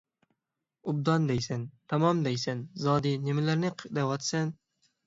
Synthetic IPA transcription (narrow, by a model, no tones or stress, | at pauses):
ʊb̚d̪ɒnd̪ejsant̪ʰamɒmd̪ajsanzɒd̪inɪmɪlaɾnɪqʰɨd̪awɒt̪san